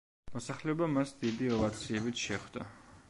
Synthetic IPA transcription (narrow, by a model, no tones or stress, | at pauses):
mɔsaχlɛɔbamasd̪id̪iɔvat̪sʰiɛbit̪ʃɛχd̪a̰